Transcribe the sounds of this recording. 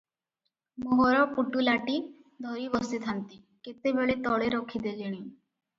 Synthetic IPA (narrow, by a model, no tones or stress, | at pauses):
moɦoɾɔpuʈulaʈi | d̪ʱɔɾibɔst̪it̪ʰant̪i | ket̪ebeɭet̪ɔɭeɾɔkʰid̪ed͡ʒeɽ̃i